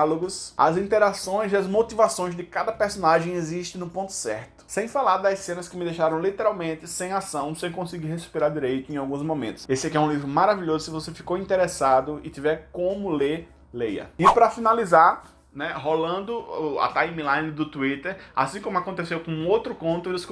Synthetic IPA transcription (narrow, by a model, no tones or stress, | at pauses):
loɡʊsɐ̰zĩnt̪ɛɾasõj̃ziɐzmot̪ivasõj̃zd̪ɪkad̪ɐpeɾsõnaʒẽj̃eziʃt̪ɪ̃nʊpõnt̪ʊ̥sɛ̰ɾt̪ʊ̥sẽj̃falaɾd̪ɐzsẽnɐskɪmɪd̪ejʃaɾɐ̃w̃lit̪ɛɾawmẽnt̪ɪsẽj̃asɐ̃w̃sẽj̃kõsɪɡiɾhespiɾaɾd̪iɾejt̪ʊẽj̃awɡũzmõmẽnt̪ʊ̥sesɪakiɛũlivɾʊmaɾaviʎozʊsɪvosefi̥koĩnt̪eɾɛsad̪ʊɪt̪ivɛɾkõmʊleɾ | lejɐ̰ɪpɾɐfinalizaɾ | nɛɦolɐ̃nd̪ʊʊa̰t̪aimilajnɪd̪ʊt̪uit̪eɾa̰sĩkõmʊakõnt̪esewkõũowt̪ɾʊkõnt̪ʊɪsk